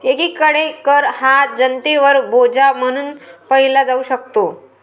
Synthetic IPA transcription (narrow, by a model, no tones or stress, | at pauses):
ekikəɽekəɾhad͡ʑənt̪eʋəɾbʱod͡ʑam̤əɽ̃uːnpəɦilad͡zauɕəkt̪o